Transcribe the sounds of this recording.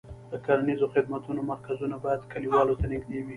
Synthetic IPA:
d̪̥əkalanizoxɪd̪mat̪unomaɾkazunabɑjad̪kaliwɑlot̪anɪɡd̪ewi

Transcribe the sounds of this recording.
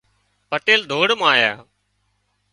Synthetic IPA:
pəʈeːld̪ʱoːɽmaːja̰ː

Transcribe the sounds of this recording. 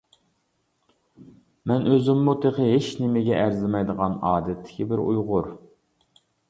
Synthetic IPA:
mɛnøzɪmːut̪ʰeqəɦeʃnɪmɪɡʲɛʔæɾzɪmɛjd̪əʁɑnɑːd̪ɛt̪ʰːɪ̥kʲʰibɪɾujʁʊɾ

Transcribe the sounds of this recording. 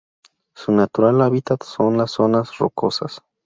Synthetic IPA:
sunat̪uɾalaβit̪at̪sonlasːonasro̰kʰosa̰s

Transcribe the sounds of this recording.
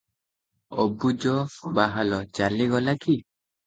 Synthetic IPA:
ɔ̰bud͡ʒɔbaɦalɔt͡ʃalːiɡɔlaki

